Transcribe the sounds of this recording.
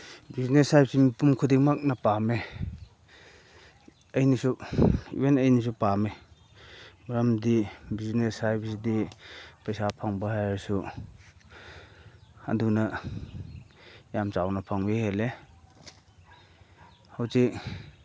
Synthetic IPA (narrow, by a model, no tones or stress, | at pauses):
biznesajpsimipumkʰudiŋmak̚nɐpame | ɐjnisuḭbenɐjnis̬upame | maɾɐmdibiznesajbsidipɐjsapʰaŋbahajasu | a̰dunɐ | jamt͡ʃawnɐpʰaŋbehele | hawsik